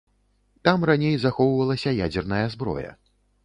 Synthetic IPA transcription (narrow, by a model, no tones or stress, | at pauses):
t̪amranʲejzaxɔwvɐlˠɐsʲɐjad͡zʲɛrnɐjɐzbɾɔ̰jɐ̰